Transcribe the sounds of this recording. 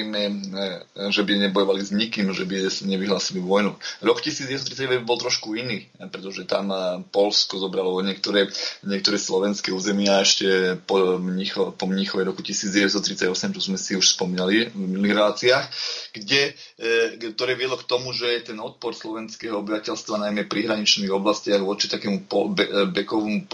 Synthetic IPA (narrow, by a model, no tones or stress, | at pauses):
mɛ | ʒɛbiɲɛbɔjɔʋalizɲikiːmʒɛbisaɲɛʋiɦlaːsiliʋɔjnuɾɔkcisiːd͡zɟɛst̪t̪ɾit͡sːaɟɛʋɛbbɔlt̪ɾɔʃkuiniːpɾɛt̪ɔʒɛt̪a̰mpɔlskɔzɔbɾalɔɔɲɪɛk̚t̪ɔɾɛɲɪɛk̚t̪ɔɾɛːslɔʋɛnskɛuːzɛmɪɛaɛʃcɛpɔmɲixɔpɔmɲixɔʋɛɾɔkucisiːd͡zɟɛʋɛtst̪ɔt̪ɾit͡saɟɔsɛmt͡ʃɔzmɛsiuʃspɔmiːnalivminuliːɣɾɛlaːt͡siaːxɡɟɛ | t̪ɔɾɛːʋɪɛd̪lɔkt̪ɔmuʒɛjɛt̪ɛnɔt̪̚pɔɾslɔʋɛnskɛːɦɔɔbiʋacɛlst̪ʋanajmɛpɾiɦɾaɲit͡ʃniːɣɔblascɪaɣʋɔt͡ʃi̥t̪akɛːmupɔbɛkɔʋɔmup